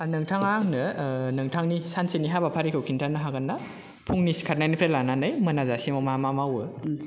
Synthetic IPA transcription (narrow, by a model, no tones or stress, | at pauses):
nɯŋtʰaŋaŋnɯnɯŋtʰaŋnisanseniɦabapʰaɾikʰɯwkʰintʰanɯɦaɡanːa | pʰuŋnisi̥kʰat̚najnipʰɾelananɯjmɐnazasimɔmamamawɯ